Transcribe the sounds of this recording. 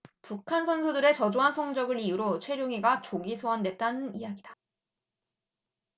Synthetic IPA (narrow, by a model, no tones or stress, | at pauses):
pukʰansʰʌnsʰudɯɾe̞t͡ɕʌd͡ʑoɦasʰʌŋd͡ʑʌɡɯɾiuɾot͡ɕʰwe̞ɾjoŋiɡat͡ɕoɡisʰoande̞t̚t͈anɯnijaɡida